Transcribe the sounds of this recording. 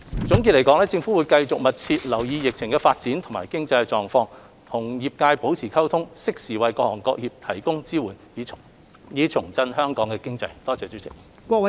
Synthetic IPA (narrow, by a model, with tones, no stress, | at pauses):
t͡sʊ˨˥ŋki˧t̚le˨˩kɔː˨˥ŋlɛː˥t͡sɪ˧ŋfuː˨˥wuː˨˧jkɐ˧jt͡sʊ˨k̚mɐ˨t̚t͡sʰi˧t̚lɐ˨˩wjiː˧jɪ˨k̚t͡sʰɪ˨˩ŋkɛ˧faː˧t̚t͡siː˨˥nt̪ʰʊ˨˩ŋma̰ː˨˩jkɪ˥ŋt͡sɐ˧jɛ˧t͡sɔː˨˩ŋfɔː˧ŋ | t̪ʰʊ˨˩ŋjiː˨p̚kaː˧jpo˨˥wt͡sʰiː˨˩kʰɐ˥wt̪ʰʊ˥ŋsɪ˥k̚siː˨˩wɐ˨jkɔː˧k̚hɔː˨˩nkɔ̰ː˧˥k̚jiː˨p̚t̪ʰɐ˨˩jkʊ˥ŋt͡siː˥wuː˨˩n˨˧ | jiː˨˧t͡sʰʊ˨˩ŋt͡sɐ˧nɦœː˥ŋkɔː˨˥ŋkɛ˧kɪ˥ŋt͡sɐ˧jt̪ɔː˥t͡sɛː˨˧t͡si˨˥t͡sɪ˨k̚ | kʷɔː˧ɐ˨˦